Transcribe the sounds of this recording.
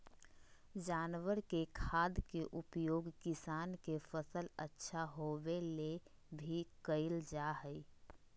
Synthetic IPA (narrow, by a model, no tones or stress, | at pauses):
d͡ʒaːnʋəɾkekʰaːd̪keʔʊpjoːɡkɪsaːnkefəsələtːʃʰaɦoʋele | bʱikəɪld͡ʒaːɦəi